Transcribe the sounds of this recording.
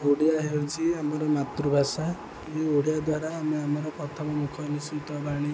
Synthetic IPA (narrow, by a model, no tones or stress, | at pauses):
oɽijaɦet͡ʃʰiamɔɾɔmat̪ɾubʱasa | eoɽijad̪waɾaːmeamɔɾɔkɔt̪ʰamɔmukʰɔnisut̪ɔbaɽ̃i